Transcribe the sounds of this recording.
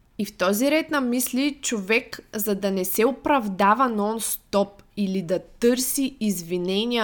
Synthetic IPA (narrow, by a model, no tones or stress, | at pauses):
ift̪ɔziɾɛt̪nɐmislit͡ʃovɛkzɐd̪ɐnɛsɛʊpɾɐvd̪avɐnɔnst̪ɔp̚ilid̪ɐt̪ɤɾsiːzvinɛnʲiə